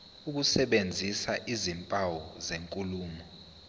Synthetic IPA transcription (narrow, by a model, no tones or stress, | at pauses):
uk̬usɛɓend͡zʱisaʔizimpʼawɔzeŋkʼuluːmɔ